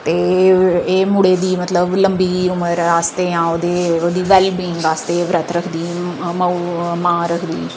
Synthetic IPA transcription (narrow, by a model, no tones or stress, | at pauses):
t̪eːeːmʊɽeːd̪iːmət̪ləbləmbiːʊməɾaːst̪eːãːoːd̪eːoːd̪iːʋɛːlbiːŋɡaːst̪eːʋɾət̪ɾəkʰd̪iːməumãːɾəkʰd̪ḭː